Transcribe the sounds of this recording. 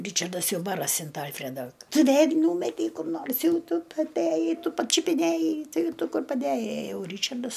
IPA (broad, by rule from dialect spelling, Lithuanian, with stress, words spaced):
ˈrʲiːt͡ʃɐrdɐs ˈjɛʊ ˈbɑːrɐsʲɪ ɐnt ˈɐlʲfʲrʲɛdɐ tʊ ˈʋʲeːlʲ ˈnuːmʲɛtʲɛɪ kʊr ˈnoːrs ˈjɛʊ ˈtʊ ˈtʊ ɐtʲˈæjɛɪ ˈtʊ pɐt͡ʃʲʊpʲɪˈnʲæjɛɪ ˈtɐɪ ˈtʊ ˈkʊr pɐˈdʲæjɛɪ ɐ ˈjɛʊ ˈrʲiːt͡ʃɐrdɐs